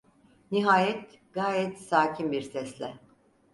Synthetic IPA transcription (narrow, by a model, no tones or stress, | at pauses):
niɦaːjɛt̪ | ɡ̥aːjɛt̪saːcʰimbiɾsɛslʲɛ